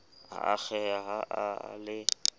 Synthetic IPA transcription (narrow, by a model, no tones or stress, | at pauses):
a̰ak͡xɛaɦaʔalɪ